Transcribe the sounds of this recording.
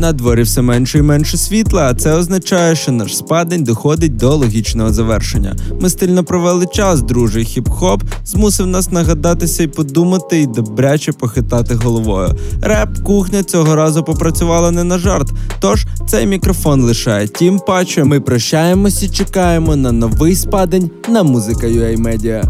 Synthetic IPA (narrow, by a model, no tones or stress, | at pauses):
nɐd̪ʋɔɾʲiwsɛmɛnʃɛimɛnʃɛsʲʋʲit̪lˠɐːt̪sɛɔznɐt͡ʃɑjɛʃt͡ʃɔnɑʃspɑd̪enʲd̪ɔxɔd̪ɪt̚ʲd̪ɔlˠɔɦʲit͡ʃnɔɦɔzɐʋɛrʃenʲːɐ̰mɪst̪ɪlʲnɔpɾɔʋɛlˠɪt͡ʃɑsd̪ɾuʒɪjxʲipxɔpzmusɪwnɑsnɐɦɐd̪ɑt̪ɪsʲɐipɔd̪umɐt̪ɪid̪ɔbɾʲat͡ʃɛpɔxɪt̪ɑt̪ɪɦɔlˠɔʋɔjʊ̰ɾɛp̚kuxnʲɐt͡sʲɔɦɔɾɑzʊpɔpɾɐt͡sʲʊʋɑlˠɐnɛnɐʒɑrt̪t̪ɔʒ̥t̪sɛjmʲikɾɔfɔnlˠɪʃɑjɛtʲimpɑt͡ʃjmɪpɾɐʃt͡ʃːajemɔsʲit͡ʃekɑjemɔnɐnɔʋɪjspɑd̪enʲ | nɐmuzɪkɐjʊɛjmɛdʲijɐ